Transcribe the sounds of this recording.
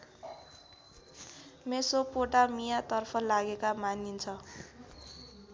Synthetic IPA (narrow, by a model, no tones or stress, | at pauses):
mesopoʈamijat̪ʌrpʰʌlaɡekamanint͡sʰʌ